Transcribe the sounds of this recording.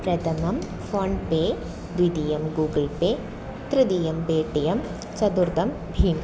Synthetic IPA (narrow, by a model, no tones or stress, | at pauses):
pɾɐt̪ɐmɐm | foːɳɖpeː | d̪ʋid̪ijɐmɡuːɡɪlpeː | t̪ɾɪd̪ijɐmbeːʈijɐm | t͡ʃɐd̪uɾd̪ɐm | bʱiːm